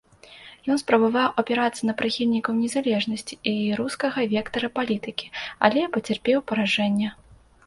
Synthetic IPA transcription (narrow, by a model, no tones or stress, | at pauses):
jɔnspɾɐbavawɐpʲɛɾat̪sːɐnɐpɾɨxʲilʲnʲikɐwnʲɛzalʲɛʐnɐsʲt͡sʲi̥iɾuskɐɣɐvʲɛkt̪ɐɾɐpalʲit̪ɨkʲi̥a̰lʲɛpɐt͡sʲɛrpʲɛwpɐɾaʐɛnʲːɛ